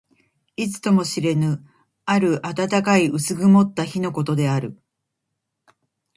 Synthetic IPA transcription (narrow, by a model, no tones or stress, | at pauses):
it͡sɨ̥t̪o̞mo̞ɕiɾe̞nɯ̟ | aɾɯ̟ʔat̪at̪akaiʔɯsɨɡɯ̟mo̞t̪ːaçino̞ko̞t̪o̞d̪e̞aɾɯ̟